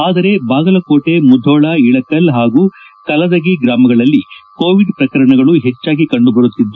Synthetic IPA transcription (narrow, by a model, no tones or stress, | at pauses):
aːd̪ɐɾe̞baːɡɐlɐkoːʈe̞mud̪ʱɔːɭɐiɭɐkɐlɦaːɡuː | kɐlɐd̪ɐɡiɡɾaːmɐɡɐɭɐlːiko̞ːʋiɖpɾɐkɐɾɐɳɐɡɐɭuɦet͡ʃːaːɡikɐɳɖubɐɾut̪ːid̪ːu